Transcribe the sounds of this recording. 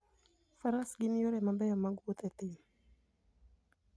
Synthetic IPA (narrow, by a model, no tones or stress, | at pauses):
faɾasɡinjoɾɛmabɛjɔmaɡut̪ɛt̪im